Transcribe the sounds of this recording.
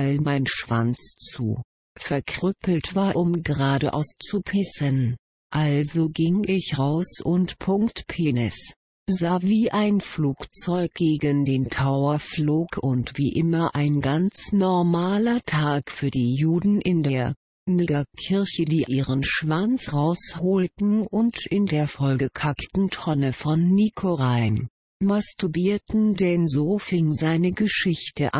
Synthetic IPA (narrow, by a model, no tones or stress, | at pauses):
almaɪnʃv̥a̰nt͡st͡sṵː | fɛɐkʁ̥ʏpl̩tv̥aːɐʔʊmɡəʁaːɾə̰ʔa̰ʊst͡supʰɪsən | ʔalzoɡɪŋʔɪçʁaʊsʊntpʰʊŋktpʰeːnɛs | zaːviːʔaɪnfluːkt͡sɔʏk̚ɡ̥eːɡəndeːntʰaʊɐfloːkʰʊntv̥iːʔɪmɐʔaɪnɡant͡snɔʁmaːlɐtʰaːkfyːɐdiːjuːdn̩ʔɪndeːɐ | niɡɐkʰɪɐçədiːʔiːʁənʃv̥ant͡sʁaʊshoːltn̩ʔʊntɪndeːɐfɔlɡəkʰaktn̩tʰɔnəfɔnːikʰoʁaɪn | mastubiːɐtn̩dɛnzoːfɪŋzaɪnəɡəʃɪçtəʔa